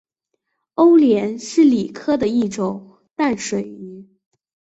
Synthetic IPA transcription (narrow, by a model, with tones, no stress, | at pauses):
o˥ʊljɛ˧˥nʂɻ̩˥˩li˨˩kʰɤ˥d̪ə˨i˥˩ʈ͡ʂʊ˨˩˦ŋ | t̪a˥˩nʂwe˨˩ɪy˧˥